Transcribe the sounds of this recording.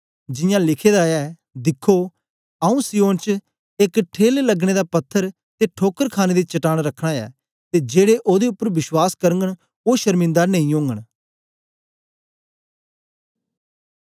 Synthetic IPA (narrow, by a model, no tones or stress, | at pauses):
d͡ʒɪjãːlɪkʰeːd̪aɛː | d̪ɪkʰːo | əũːsijõːnt͡ʃ | ekʈʰeːlləɡɽ̃ed̪aːpɐt̪ʰːəɾ | t̪eʈʰoːkəɾkʰaːned̪et͡ʃɐʈaːɽ̃ɾəkʰɽ̃aːɛ̰ː | t̪ed͡ʒeːɽeʔoːd̪eʊpːəɾʋɪswaːskəɾəŋɡəɽ | oːʃəɾmɪ̃nd̪anəĩõːŋɡəɽ̃